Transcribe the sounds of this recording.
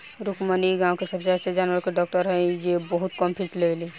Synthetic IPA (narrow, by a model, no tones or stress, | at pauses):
ɾukməniɡãwkesəbseased͡ʒanʋəɾkeɖɔk̚ʈəɾɦəd͡ʒebəɦut̪kəmpʰit͡ʃleli